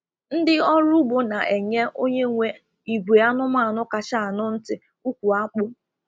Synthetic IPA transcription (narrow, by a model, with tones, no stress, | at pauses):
n̩˦dɪ˦ɔ˦ɾʊ˦bʊ˨na˨ʔe˨ɲe˦ʔo˦ɲe˦ŋʷe˦ | i˨ɡʷe˨a˦nʊ˦m˦a˦˨nʊ˦ka˨t͡ʃa˦˨a˨nʊ˦n̩˦tɪ˨ | u˦kʷu˨a˦k͡pʊ˦